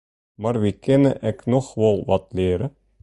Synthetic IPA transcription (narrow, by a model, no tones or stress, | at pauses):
maːrʋikɛnə̰ʔɪknɔχʋɑlˠʋɑtlɪːɾə